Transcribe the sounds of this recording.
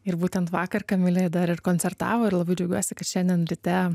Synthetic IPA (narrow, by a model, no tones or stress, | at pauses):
ɪɾbuːt̪ʲɛnt̪ʋɑːkɐrkɐmʲɪlʲejɛd̪ɐɾɪrkoːnʲt͡ssʲɛrt̪ɑ̰ːʋoːɪɾlˠɐbɐɪd͡ʒʲɛʊɡʲuɔsʲɪkɐt̪ʃʲɛnʲd̪ʲɛnɾʲɪt̪ʲɛ